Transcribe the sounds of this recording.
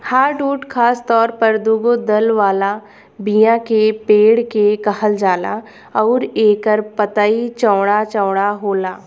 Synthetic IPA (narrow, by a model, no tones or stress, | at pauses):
haːɾɖuːʈkʰaːst̪ɔːɾpɐɾd̪uːɡod̪ɐlʋaːla | bijãkepeːɽkekɐhəld͡ʒaːla̰ | ɔːɾeːkəɾpɐt̪aːit͡ʃɔːɽ̃at͡ʃɔːɽ̃aɦoːlaː